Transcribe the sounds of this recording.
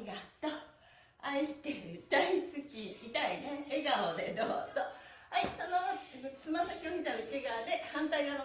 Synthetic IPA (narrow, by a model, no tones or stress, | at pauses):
iɡat̪ːo | aiɕi̥t̪eɾd̪̥aisɨkʲiːt̪aineeɡaod̪ed̪oːz̥oaisonont͡sɨmasakʲioçʲisaɯt͡ɕiɡaːd̪e̞hãnt̪aiɡano